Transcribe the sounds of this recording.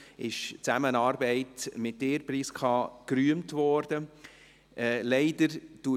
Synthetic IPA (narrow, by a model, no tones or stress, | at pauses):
ɪʃt͡sæmənɑːɾbɛɪtmɪt̚d̥eːɾpɾiːskʰɑːkɾyəmtvɔɾd̥ə | ʔɛlɛɪdəɾd̥u